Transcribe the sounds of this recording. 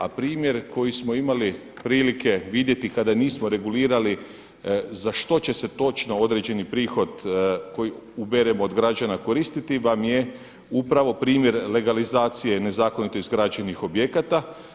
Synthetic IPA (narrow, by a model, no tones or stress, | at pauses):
a̰pɾiːmje̞ɾko̞jismo̞imali | pɾiːlike̞ʋid̪je̞t̪ikad̪aniːsmo̞ɾe̞ɡuliːɾali | zaʃt̪o̞t͡ɕe̞se̞t̪o̞t͡ʃno̞o̞d̪ɾed͡ʑe̞nipɾiːxo̞d̪ko̞ji | ubeɾemoːd̪ɡɾad͡ʑanako̞ɾiːst̪it̪iʋamje̞ | upɾaʋo̞pɾiːmjeɾle̞ɡalizaːt̪sije̞ne̞zaːko̞nit̪oizɡɾad͡ʒenixo̞bje̞kat̪a